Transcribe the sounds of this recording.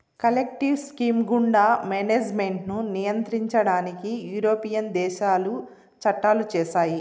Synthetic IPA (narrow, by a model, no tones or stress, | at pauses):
kɐlek̚ʈiwskiːmɡuɳɖaːmeːneːd͡ʒmeɳʈnunijɐnt̪ɾiɲt͡ʃɐɽaːnikijuːɾoːpijɐnd̪ɛːʃaːlu | t͡ʃɐʈːaːlut͡ʃɛːʃaːji